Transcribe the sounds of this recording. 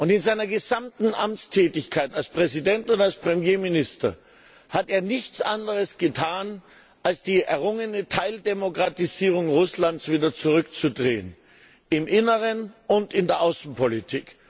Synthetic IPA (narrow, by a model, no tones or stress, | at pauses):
ʔʊntɪnzaɪnɐɡəzamtn̩ʔamt͡stʰɛːtɪçkʰaɪtalspʁ̥ɛzidɛntʊntalspʁ̥ɛmjeːmɪnɪstɐ̰ | hateːɐnɪçt͡sʔandəʁ̞əsɡ̥ətʰaːn | ʔalsd̥iːʔɛɐʁʊŋənətʰaɪldemokʁ̥atiziːʁ̞ʊŋʁʊslansv̥iːdɐt͡suʁʏkt͡sudʁeːən | ɪmʔɪnəʁənʊntɪndeːɐʔaʊsn̩pʰolitʰḭːk